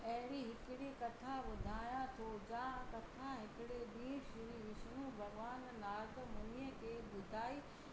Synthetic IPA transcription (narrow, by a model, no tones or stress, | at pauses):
ɐɦɪɾiɦɪkɪɽikɐt̪ʰãʋʊd̪ʱaːjãt̪ʰod͡ʑãːkɐt̪ʰãɦɪkɪɽeɗiːʃɪɾiʋɪʃñũbʱɐɡʋaːnːaːɡmɐnijəkʰeːɓʊd̪ʱaːiː